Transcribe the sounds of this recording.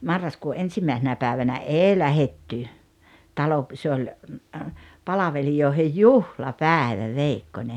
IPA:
mɑrːɑskuː ʔensimæˑesenæ pæːʋænæ ʔeˑi læhetːy tɑlo se olʲ pɑlɑʋelijoˑehej juhlɑpæːĕʋæ ʋeikːonʲe

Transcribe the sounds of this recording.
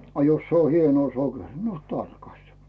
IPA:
ɑ jos se o hienŭoˑ sokeri no tɑrkɑstɑ

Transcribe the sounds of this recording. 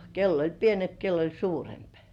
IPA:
kelː olʲ pienemp kelː olʲ suːremp

